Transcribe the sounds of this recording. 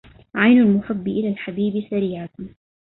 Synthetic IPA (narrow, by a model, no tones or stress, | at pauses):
ʕajnalmʊħabːʔɪlalħabiːbsaɾiːʕa